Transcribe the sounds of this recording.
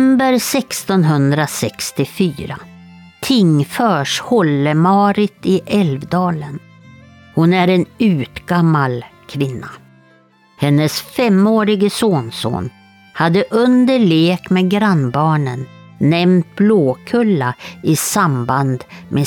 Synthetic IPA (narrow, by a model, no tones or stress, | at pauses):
mbəɾsɛkst̪ɔnɦɵnd̪ɾasɛkst̪ɪfyːɾa̰ | t̪ʰɪŋfœːʂhɔlːəmɑːɾɪt̪ɪʔɛlvd̪ɑːlən | hʊnæɾɛnʉ̟ːt̪ɡamːalkʰvɪnːa | hɛnːəsfɛmoːɾɪɡəsoːnso̰ːn | had̪ːəʔɵnd̪əɭeːkmeːɡɾanbɑːɳənː | ɛmt̪̚bloːkʰɵlːaɪsamband̪mʔe